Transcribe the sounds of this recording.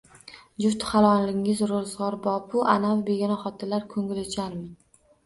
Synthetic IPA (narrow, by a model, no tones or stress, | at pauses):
d͡ʒʊft̪χɑlˠɒnlɪŋɪzɾozʁɒɾbɒpʰʊʔa̰navbeɡʲinaχɒt̪ʰɪlaɾkʰɵŋɪlɪt͡ʃʰanmɪ